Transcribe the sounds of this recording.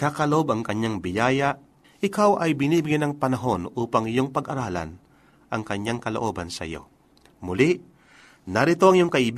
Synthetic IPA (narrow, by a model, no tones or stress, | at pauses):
kakɐloʔobɐŋkɐɲːaŋbɪjaːjɐʔ | ʔɪkawʔɐjbɪniːbɪɡɛnɐŋpɐnɐɦo̞nʔuːpɐŋjo̞ŋpɐɡʔɐɾaːlɐ̰n | ʔɐŋkɐɲːaŋkɐloʔo̞ːbɐnsɐʔjo̞̰ | mʊlɪʔ | nɐɾɪt̪o̞ʔɐŋjoŋkɐʔɪb